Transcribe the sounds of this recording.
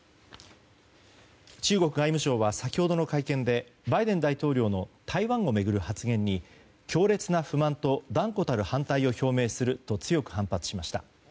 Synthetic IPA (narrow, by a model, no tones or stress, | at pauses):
t͡ɕɨːɡo̞kɯ̟ɡaimɯ̟ɕo̞ːβasakʲiho̞d̪o̞no̞kaikẽ̞nd̪e̞baid̪ẽ̞nd̪ait̪o̞ːɾʲo̞ːno̞t̪ʰaiβãɰ̃o̞me̞ɡɯ̟ɾɯ̟hat͡sɨɡẽ̞ɲ̟ːi | kʲo̞ːɾe̞t͡sɨnaɸɯ̟mãnt̪o̞d̪ãŋko̞t̪aɾɯ̟hãnt̪aio̞ço̞ːme̞ːsɨɾɯ̟t̪o̞t͡sɨjo̞kɯ̟hãmpat͡sɨ̥ɕimaɕi̥t̪a̰